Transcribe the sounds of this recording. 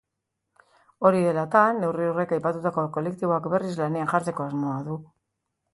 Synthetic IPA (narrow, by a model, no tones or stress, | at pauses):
o̞ɾiðe̞lat̪anːe̞wriure̞kajpat̪ut̪ako̞ko̞le̞kt̪iβo̞akbe̞rizlane̞anʝaɾt͡s̪e̞ko̞azmo̞aðu